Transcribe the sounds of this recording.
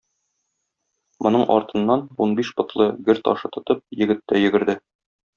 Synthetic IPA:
mʔŏnɤɴʔɒ̰ɾt̪ɤ̆nːɑnunbiʃbŏt̪lˠɤɡɘɾt̪ɒ̰ʃɤt̪ŏt̪ɤp̚jɘ̆ɡɘ̆t̪ːæjɘ̆ɡɘ̆ɾd̪ɘ

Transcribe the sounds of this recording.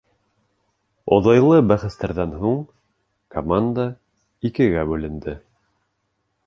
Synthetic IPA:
ŏ̰ðɑjlˠɤbæχɘ̆st̪æɾðænɦuɴ | komand̪a | ikɘ̆ɡæbʉlɘ̆nd̪ɘ

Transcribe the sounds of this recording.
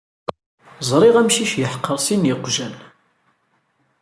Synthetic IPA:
zˤɾˤɪʁæmʃiʃjəħə̥qːəɾˤsinjəqʷːʒæn

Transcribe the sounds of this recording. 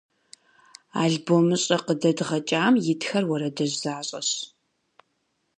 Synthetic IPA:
aːɮboːmɨɕʼɐqədɐdʁɐt͡ʃʼaːmjɪtʰxɐrwɐɾɐdɐʑzaːɕʼɐ̰ɕ

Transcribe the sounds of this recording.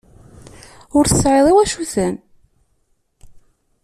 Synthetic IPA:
ʊɾθəsʕeðˤiwæʃuθən

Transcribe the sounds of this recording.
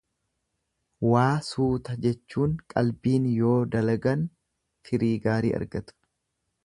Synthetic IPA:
waːsuːt̪ɐd͡ʒɛt͡ʃːuːŋkʼɐlbiːnjo̞ːd̪ɐlɐɡɐn | fɪɾiːɡaːɾḭːʔɐ̰ɾɡɐt̪ʊ̥

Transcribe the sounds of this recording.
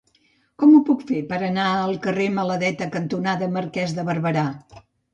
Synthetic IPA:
kɔmupukfepəɾənaəlˠkəremələðɛt̪əkənt̪unaðəməɾkɛzðəβəɾβəɾa

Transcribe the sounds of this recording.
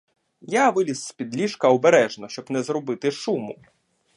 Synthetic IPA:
jaʋɪlʲisspʲid̪lʲiʃkɐɔbeɾɛʒnɔʃt͡ʃɔbnɛzɾɔbɪt̪ɪʃumʊ

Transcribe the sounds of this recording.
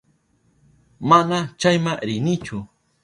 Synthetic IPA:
manat͡ʃajmaŋɾɪnɪt͡ʃʊ

